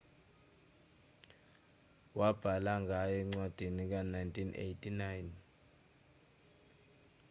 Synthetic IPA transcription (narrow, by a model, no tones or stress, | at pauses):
wab̥ʱalaŋɡʱajɔŋ͡ǀwad̥ʱenik̬anajntʰʼinḛjtʰʼinajn